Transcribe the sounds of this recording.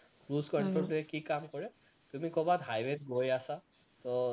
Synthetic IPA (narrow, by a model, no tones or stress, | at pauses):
kɹuzkɔntɔɹtuɛkikamkɔɹɛ | tumikɔbadɦajbet̚ɡʱojasa | tɔ